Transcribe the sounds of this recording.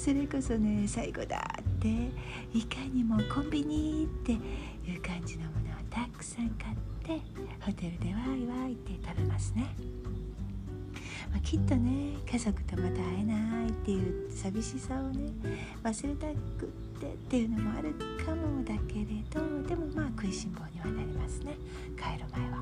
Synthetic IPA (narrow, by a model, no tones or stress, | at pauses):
so̞ɾe̞ko̞so̞ne̞saiɡo̞̰d̪a̰t̪ːe̞ | ikaɲ̟imo̞kõ̞mbʲiɲ̟it̪ːe̞ | jɯ̟ːkãɲ̟d͡ʑino̞mo̞no̞βat̪akɯ̟̥sãŋkat̪ʰːe̞ | ho̞t̪e̞ɾɯ̟d̪e̞βaiβait̪e̞t̪abe̞masɨne̞ | maːkʲit̪ːo̞ne̞kazo̞kɯ̟̥t̪omat̪aːenait̪ːe̞jɯ̟ːsabʲiɕisaone̞ | βasɨɾe̞t̪akɯ̟t̪ːe̞̰t̪ːe̞jɯ̟no̞mo̞a̰ɾɯ̟kʰamo̞d̪ake̞ɾe̞d̪̥o̞d̪e̞mo̞maːkɯ̟iɕĩmbo̞ːɲ̟iβanaɾʲimasɨne̞ | kʰaeɾɯmaeβa